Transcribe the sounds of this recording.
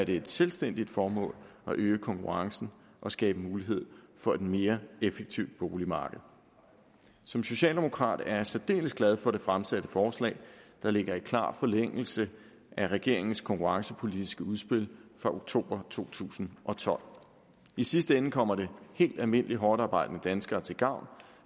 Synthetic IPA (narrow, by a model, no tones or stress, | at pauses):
æɐɾ̥e̝ed̥selsd̥en̰d̥id̥fɒːmɔ̰̽ːlɒ̽ʔøːəkʰɒ̽ŋkʰuʁɑ̈ŋsn̩ | ʔɒ̽sɡ̥ɛːb̥əmuːliɦe̝ð̞̰ˠfɒ̽e̝d̥me̝ːɐefeɡ̥̚t͡sʰiʊd̥̚b̥o̝ːlimɑ̈ːɡ̥əð̞̩ˠ | sɒ̽mso̝ɕɛ̰ːld̥e̝mo̝kʰʁɑ̰̈ːd̥æɐjsæd̥e̝̰ːləsɡ̥lɛð̞ˠfɒ̽ɾ̥e̝fʁamsæd̥əfɒːslɛ̰ːɪd̥ɑ̈le̝ɡ̥ɐikʰlɑ̰̈ːfɒ̽leŋ̰l̩sə | ʔæʁɛɡ̥e̝ɐ̰e̝ŋn̩skʰɒ̽ŋkuʁɑ̈ŋsəpʰo̝lid̥isɡ̥əuðˠsb̥e̝l̰fʁɑ̈ʔoɡ̥̚t͡sʰo̝̰ːb̥ɐt͡sʰo̝̰ːt͡sʰṵːsn̩ʔɒ̽t͡sʰɒ̽l̰ | isisd̥əenːəkʰɒ̽m̰ɐɾ̥e̝he̝̰ːld̥ælme̝n̰əliɦɒːd̥ɑ̈ːbɑ̈ɪ̰d̥ənəd̥ænsɡ̥ɐːt͡sʰe̝lɡ̥ɑ̈ʊ̰n